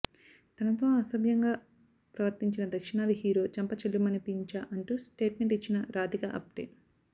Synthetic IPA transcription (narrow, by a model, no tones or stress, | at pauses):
t̪ɐnɐt̪oːɐsɐbjɐŋɡaː | pɾɐʋɐɾt̪iɲt͡ʃinɐd̪ɐkʂiɳaːliɦiːɾo̞ːt͡ʃɐmpɐt͡ʃɐlːumɐnipiɲt͡ʃaːʔɐɳʈusʈe̞ːʈme̞ɳʈit͡ʃːinɐɾaːd̪ikɐʔɐ̰p̚ʈ̪ḛː